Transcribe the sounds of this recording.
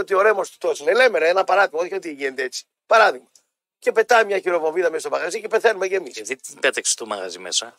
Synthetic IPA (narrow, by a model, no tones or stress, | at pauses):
ot̪ioɾemost̪u̥t̪osilelemeɾɐenɐpɐɾɐðiɣmɐoðiçot̪iʝenet̪eet͡si̥ | pɐɾɐðiɣmɐ | ce̞pe̞t̪ɐmɲɐçiɾo̞vo̞viðɐmest̪omɐɣɐzicepeθenumecemiseðibɐt̪ekse̥t̪umɐ̰ɣɐ̰zimḛsɐ